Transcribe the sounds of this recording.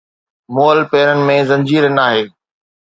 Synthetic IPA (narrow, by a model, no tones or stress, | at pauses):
moːlpeːɾənɪ̆mẽzɐ̃ɲd͡ʑiːɾənaːɦeː